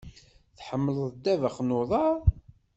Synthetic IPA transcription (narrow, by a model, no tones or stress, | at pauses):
θħəmːəlðˤd̪ːævəχnʊðˤɑɾˤ